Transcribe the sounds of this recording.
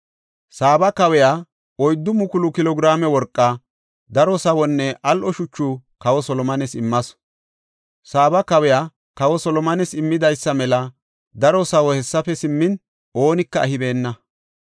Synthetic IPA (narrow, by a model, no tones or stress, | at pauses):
saːbɐkɐwɛja | ɔjd̪ːʊmʊkʊlʊkɪlɔɡɪɾaːmɛwɔɾkʼːɐ | d̪ɐɾɔsɐwɔnːɛʔɐlʔɔʃʊt͡ʃːʊkɐwɔsɔlɔmɐnɛsɪmːɐs | saːbɐkɐwɛjaː | kɐwɔsɔlɔmɐnɛsɪmːɪd̪ɐjsːɐmɛlɐ | d̪ɐɾɔsɐwɔhɛsːɐfɛsɪmːɪn | o̞ːnɪkːɐɐhɪbe̞ːnːɐ